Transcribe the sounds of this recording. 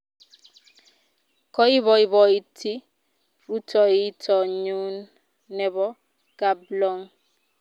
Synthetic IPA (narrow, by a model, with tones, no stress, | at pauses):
kɔ˦i˦βɔ˨i˦bɔ˨i˨tʰi˦ | fu˦tʰɔ˨i˦tʰɔ˨ɲu˦nː | ɛ˦bɔ˦ | ɡ̥a˨blɔ˦ŋ